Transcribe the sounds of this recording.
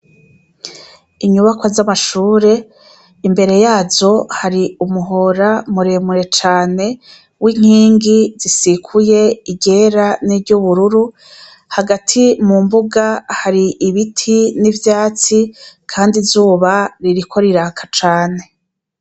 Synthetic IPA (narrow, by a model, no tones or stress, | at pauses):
iɲuβakwazamaʃuːɾe̞ | imbe̞ɾe̞jaːzo̞haɾiumuɦo̞ɾamuɾe̞muɾe̞t͡ʃaːne̞ | wiŋ̥hiːŋɡizisikʰuje̞iɟe̞ːɾaniɟuβuɾuɾu | haɡatʰimumbuɡahaɾiʔiβitʰinivjaːt͡sikʰaːndizuːβaɾiɾikʰo̞ɾiɾaːkʰḁt͡ʃaːne̞